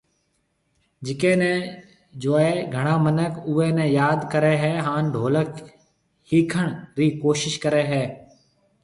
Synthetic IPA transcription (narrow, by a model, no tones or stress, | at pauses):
d͡ʒɪkeːnẽː | d͡ʒoːeːɡʱəɽ̃ãːmənəkʊːeːnẽːjaːd̪kəɾeːɦɛːɦaːnɖʱoːlək | hiːkʰəɳɾiːkoːʃɪʃkəɾeːɦɛː